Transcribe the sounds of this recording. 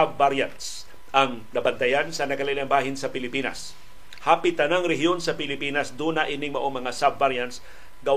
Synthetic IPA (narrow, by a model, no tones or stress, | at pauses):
bːaɾjant̪s | ʔɐŋ | nɐbant̪ɐjansɐnɐkɐlalaŋbaːɦɪnsɐpɪlɪpiːna̰s | haːpɪt̪anaŋɾɛɦjonsɐpɪlɪpiːnasd̪uːnaʔiːnɪŋmɐʔoŋmɐŋasabvaɾjant̪s | ɡɐw